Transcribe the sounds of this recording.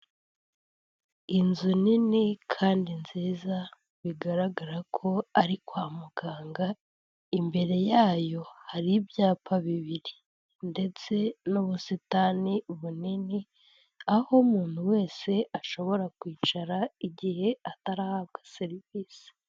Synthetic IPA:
inzuninikʰaːndinziːza | βiɡaɾaɡaɾakʰo̞aɾikwaːmuɡ̥aːŋɡa | imbe̞ɾe̞jaːjo̞haɾibjaːpʰaβiβiɾi | nde̞t͡se̞nuβusitaniβunini | ahomuːn̥huwe̞ːse̞aʃo̞βo̞ɾakwiːt͡ʃaɾaiɟihe̞ataɾahab̚ɡaseɾiviːsi̥

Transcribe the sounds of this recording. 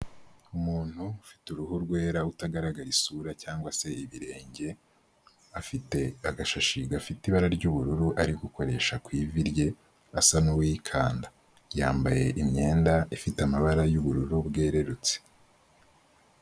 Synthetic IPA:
umuːn̥hufi̥tuɾuɦuɾɡwe̞ːɾautaɡaɾaɡaɾisuɾacaːŋɡwase̞iβiɾe̞ːɲɟe̞ | afiteaɡaʃaʃiɡafitiβaɾaɾɟuβuɾuɾuʔaɾiɡuko̞ɾe̞ʃakwiːviɾje̞ | asanuwiːkʰaːnda | ja̰ːmbaje̞̰ʔimɲe̞ːndaifitamaβaɾajuβuɾuɾubɡe̞ːɾe̞ɾut͡se̥

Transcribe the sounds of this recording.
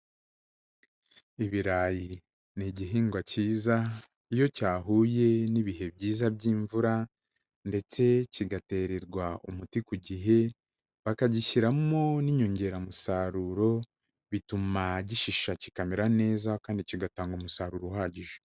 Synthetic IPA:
iβiɾaːji | niɟiɦiːŋɡwaciːza | ijo̞caːɦuːje̞niβiɦe̞bɟiːzabɟiːɱvuɾa | nde̞t͡se̞ciɡate̞ːɾeɾɡwaṵmutikuɟiɦe̞ | βakaɟiçiɾamo̞niɲo̞ɲɟe̞ɾamusaɾuɾo̞ | βitumaɟiʃiʃaci̥kameɾane̞ːzakaːndiciɡataːŋɡomusaːɾuɾowaːɟiʒe

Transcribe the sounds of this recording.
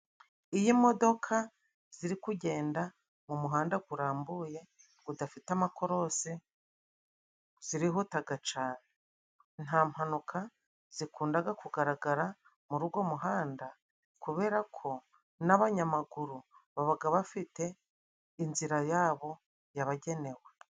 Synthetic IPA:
ijimo̞do̞kʰa | z̥iɾikuɟe̞ːnda | mumuɦaːndaɡuɾaːmbuje̞ | udafitamako̞ɾo̞se | z̥iɾiɦotaɡat͡ʃaːne | n̥haːm̥hanukʰa | z̥ikuːndaɡakuɡaɾaɡaɾa | muɾuɡwo̞muɦaːnda | kuβe̞ːɾakʰo̞ | naβaɲamaɡuɾuβaβaɡaβafite̞ | inziɾajaːβo̞ | jaβaɟe̞ne̞we

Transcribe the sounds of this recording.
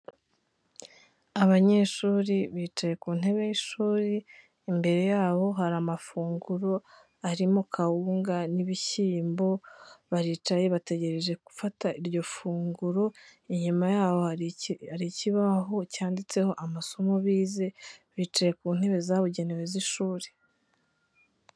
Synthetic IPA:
aβaɲe̞ːʃuɾiβiːt͡ʃaje̞kuːn̥e̞βe̞jiʃuːɾiː | mbe̞ɾe̞jaːβo̞ɦaɾamafuːŋɡuɾo̞ | aɾimo̞kʰawuːŋɡaniβiçiːmbo̞βaɾit͡ʃaje̞βate̞ɟe̞ɾe̞ʒe̞ku̥fataʔiɾɟo̞fuːŋɡuɾo̞iɲumajaːβo̞aɾiciβaɦo̞caːndit͡se̞ho̞ʔamaso̞mo̞βiːze̞βiːt͡ʃaje̞kuːn̥he̞βe̞zaβuɟe̞neweziʃuːɾe

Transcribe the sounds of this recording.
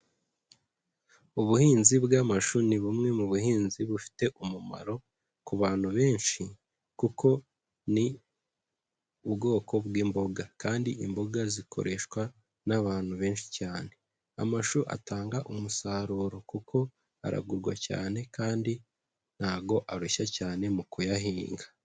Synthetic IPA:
uβuhiːnzibɡamaʃuniβumŋe̞muβuhiːnziβufi̥te̞ʔumuma̰ɾo̞ | kuβaːn̥huβe̞ːnʃi | kukʰo̞ | ni | ubɡo̞ːkʰo̞bwiːmbo̞ɡakaːndiʔimbo̞ɡazikʰo̞̰ɾʔe̞ʃkwa | naβaːn̥huβe̞ːnʃi̥caːne̞ | a̰maʃuʔa̰taːŋɡaʔumusaːɾuːɾo̞kukʰo̞ | a̰ɾa̰ɡuɾɡwa̰ca̰ːne̞kaːndi | n̥haːɡo̞ʔaɾuʃacaːne̞mukujaɦiːŋɡḁ

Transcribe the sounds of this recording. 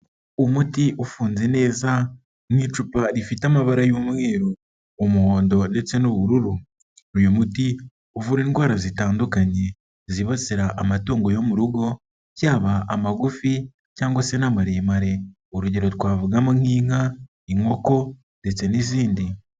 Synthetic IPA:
omutiʔofuːnze̞ne̞ːza | nhit͡ʃupaɾifitamaβaɾajomweːɾo | omuhoːndo̞de̞t͡se̞noβuɾuɾu | ɾujomuti | ovuɾeːnɡwaːɾazitaːndukaɲe̞ | ziβat͡seɾaʔːmatoːŋɡo̞jo̞muɾuɡo̞ | cjaːβaʔamaɡufi | caːŋɡwase̞namaɾeːmaɾe̞ | oɾuɟe̞ɾo̞twaːvuɡamoŋhiːŋ̥a | iŋo̞ko̞ | de̞t͡se̞niziːndi

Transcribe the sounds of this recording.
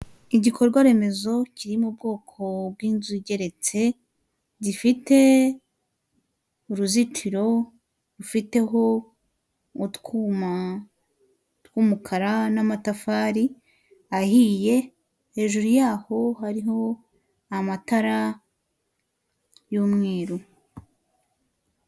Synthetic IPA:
iɟikʰo̞ɾɡwaɾe̞me̞zo̞ciɾimub̚ɡo̞ːkʰo̞b̚ɡwiːnzuɟe̞ɾe̞t͡se̞ | difite̞ | uɾuzit͡ʃiɾo̞ | ɾufite̞ɦo̞ | utkua | tkuːmukʰaɾanamatafaːɾi | ahije̞ | he̞ːʒuɾujaːho̞ɦaɾiɦo̞ | amataɾa | juːmŋe̞ːɾu

